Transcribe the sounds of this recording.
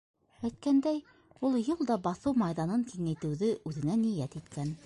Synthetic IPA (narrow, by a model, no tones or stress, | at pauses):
æjt̪̚kænd̪æj | ulˠjɤlˠd̪ɑbɑθɤwmɑjðɑnɤŋkiŋæjt̪ɘ̆wðɘʔʉðɘ̆nænijæt̪it̪kæn